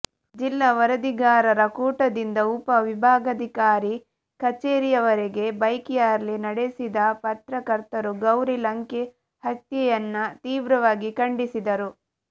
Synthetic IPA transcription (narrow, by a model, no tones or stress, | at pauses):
d͡ʒilːɐʋɐɾɐd̪iɡaːɾɐɾɐkuːʈɐd̪ind̪ɐupɐʋibʱaːɡɐd̪ʱikaːɾi | kɐt͡ʃeːɾijɐʋɐɾeɡe̞bɐjkijaːɾɐlinɐɽesid̪ɐpɐt̪ɾɐkɐɾt̪ɐɾuɡɐwɾilɐŋke | hɐt̪jɛjɐnːɐt̪iːʋɾɐʋaːɡikɐɳɖisid̪ɐɾu